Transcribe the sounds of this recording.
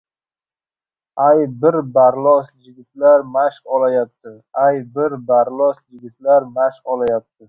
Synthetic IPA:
ajbɪɾbaɾlˠɒsjɪɡʲɪt̪laɾmaʃqɒlajap̚t̪ʰɪ | ajbɪɾbaɾlɒsjɪɡʲɪt̪laɾmaʃqɒlajap̚t̪ʰɪ

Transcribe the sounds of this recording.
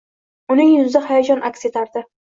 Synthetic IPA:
ʊnɪŋjʊzd̪ahajad͡ʒɒnʔakʲse̞t̪ʰaɾd̪ɪ

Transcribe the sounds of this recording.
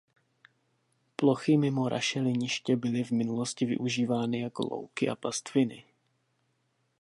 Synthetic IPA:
plo̞xɪmɪmo̞ɾʔa̰ʃɛlɪɲɪʃcɛbɪlɪvmɪnulo̞scɪvɪ̰ʔuʒiːvaːnɪjako̞̰lo̰wkɪʔa̰past̪fɪnɪ̰

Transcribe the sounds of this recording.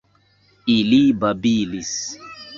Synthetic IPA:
ilibabilis

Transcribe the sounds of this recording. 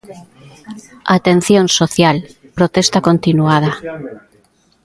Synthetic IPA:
a̰t̪en̟θjonsoθjalpɾot̪est̪akont̪inuað̞a

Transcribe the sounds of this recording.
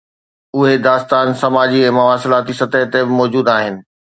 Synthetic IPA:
ʊɦed̪aːst̪aːnsɐmaːd͡ʑiɛ̃ːmɐʋaːsɪlaːt̪isɐt̪əɦt̪ebɪmɔːd͡ʑuːd̪aːɦɪnɪ̆

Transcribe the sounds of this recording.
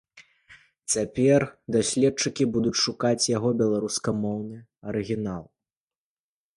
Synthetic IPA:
t͡sʲapʲɛrd̪asʲlʲɛt̚t͡ʂɨkʲibud̪ut͡sʲʂukat͡sʲjaɣɔbʲɛlˠaɾuskɐmɔwnɨɐɾɨɣʲinalˠ

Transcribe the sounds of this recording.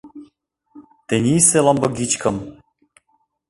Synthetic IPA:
t̪enʲiselˠambəɡit͡ʃkəm

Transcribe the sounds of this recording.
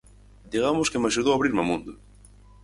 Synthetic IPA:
d̪iɣamʊskemaʃuð̞owaβɾiɾmamũnd̪ʊ

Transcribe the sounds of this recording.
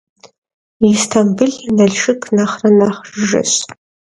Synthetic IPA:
istʰambɨɮʲanaɮʂɨkʰʼnaχranaχʒɨ̰ɕ

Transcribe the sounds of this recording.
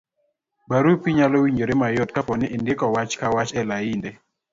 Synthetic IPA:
baɾupiɲalɔwiɲd͡ʒoɾemajot̚kapɔnɪʔɪndɪkɔwat͡ʃkawat͡ʃɛlaindɛ

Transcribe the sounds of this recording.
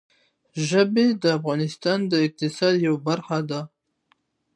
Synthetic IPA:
ʒəbed̪əafɣɑnɪst̪ɑnd̪əɪq̚t̪ɪsɑd̪jawabaɾxad̪a

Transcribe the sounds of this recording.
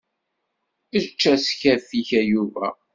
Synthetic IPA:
ət͡ʃːæsçæɾθiçæjuvæ

